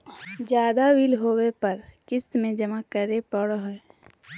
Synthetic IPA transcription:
d͡ʒjaːd̪awilɦowepəɾkɪst̪mẽd͡ʒəmakəɾepəɽɦ

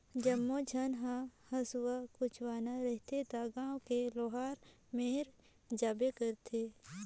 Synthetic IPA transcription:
d͡ʒɐmːod͡ʒʱənɦãhɐsʊwakʊt͡ʃʰwaːnaɾəɦt̪ʰet̪aɡãːwkeloːɦaːɾ | meːɾ | d͡ʒaːbekəɾt̪ʰe

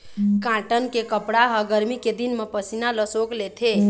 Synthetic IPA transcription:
kãʈənkekəpɽaɦəɡəɾmiked̪inmepəsinaləsoklet̪ʰe

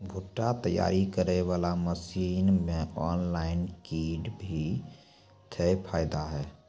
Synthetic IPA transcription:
bʱuʈːat̪əja̰ːɾikəɾeʋaːlaməsiːnmẽɔːnlaːɪnkiːɖbʱi | t̪ʰepʰaːɪd̪aɦɛː

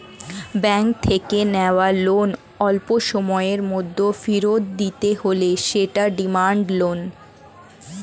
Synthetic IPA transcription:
bɛŋk̚t̪ʰekeneoalon | ɔlpoʃɔmɔeɾmod̪ʱːofiɾod̪̚d̪it̪eɦoleʃeʈaɖimaɳɖlon

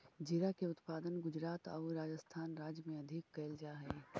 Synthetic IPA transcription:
d͡ʒɪɾakeʊt̪paːd̪ənɡʊd͡ʒɾaːt̪a̰ʊɾaːd͡ʒəst̪ʰaːnɾaːd͡ʒjmẽɐd̪ʱɪkːɛːld͡ʒaːɦɛː

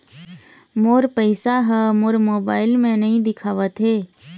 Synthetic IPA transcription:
moːɾpəɪsaɦəmoːɾmoːbaːɪlmẽnəɦĩd̪ɪkʰaːʋət̪ɦeː

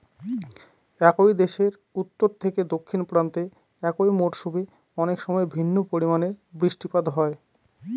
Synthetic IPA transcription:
ɛkojd̪eʃeɾ | ut̪ːoɾt̪ʰeked̪okʰːinpɾant̪e | ɛkojmoʈʃubi | ɔnekʃɔmɔebʱinːopoɾimaneɾbɾiʃʈipad̪ɦɔe

